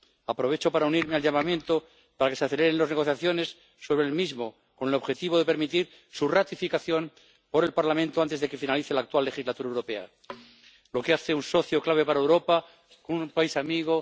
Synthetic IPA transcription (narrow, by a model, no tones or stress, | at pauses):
apɾo̞β̞e̞t͡ʃo̞paɾauniɾmealʝamamje̞nt̪o̞ | paɾake̞seaθele̞ɾenlozne̞ɣ̞o̞θjaθjo̞ne̞sː | o̞βɾelmizmo | ko̞ne̞lo̞βxe̞t̪iβo̞ðe̞pe̞ɾmit̪iɾ | surat̪ifikaθjo̞nm | po̞ɾe̞lpaɾlamẽnt̪o̞ant̪ezðeke̞finaliθe̞laːk̚t̪walːe̞xizlat̪uɾaewɾo̞pe̞a̰ | lo̞keaθeunso̞θjoklaβe̞paɾaewɾo̞pa | konupaisamiɣ̞o̞